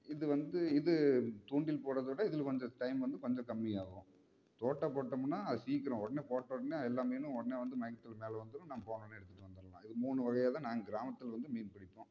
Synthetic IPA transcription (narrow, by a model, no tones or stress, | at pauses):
ɪðɯʋɐnd̪ɯɪðɯt̪uːɳɖɪlpoːɽɐðɯʋɪɽɐɪðɪlkɔɲd͡ʒɐ̃ʈɐɪmʋɐnd̪ɯkɔɲd͡ʒɐ̃kɐmːɪjaːɣõː | t̪oːʈːɐpoːʈːɐmnːaːɐðɯsiːkɪɾõɔɽɐneːpoːʈːɐɔɽɐneːɛlːaːmeːnɯ̃ɔɽɐneːʋɐnd̪ɯmɐjkːɐt̪ːɪlmeːlɛʋɐnd̪ɯnɯ̃naːɐpoːnɐnːɛɽɯt̪ːɯʈːɯʋɐnd̪ɯɾɐlãːɪðɯmuːɳɯʋɐɣɐjaːt̪ãːnaːŋɡɐɡɪɾaːmɐt̪ːɪlʋɐnd̪ɯmiːnpɐɽɪpːõː